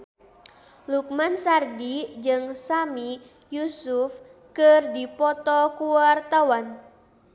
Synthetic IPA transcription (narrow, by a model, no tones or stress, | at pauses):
luk̚mansardid͡ʒɨŋsami | jusufkərdipɔt̪ɔkuwart̪awan